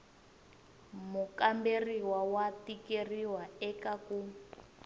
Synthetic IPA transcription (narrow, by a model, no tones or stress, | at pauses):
mukamberiwawatikeriwaɛkaku